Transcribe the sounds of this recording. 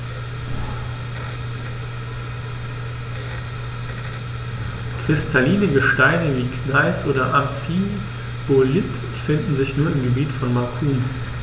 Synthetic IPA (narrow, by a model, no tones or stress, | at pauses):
kʁ̥ɪstʰaliːnəɡəʃtaɪnəviːknaɪsʔoːdɐʔamfiːn | b̥olɪt | fɪndn̩zɪçnuːɐɪmɡəbiːtfɔnmakʰuːm